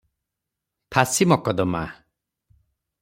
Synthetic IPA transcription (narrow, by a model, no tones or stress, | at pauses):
t̪ʰasimɔkɔd̪ɔma̰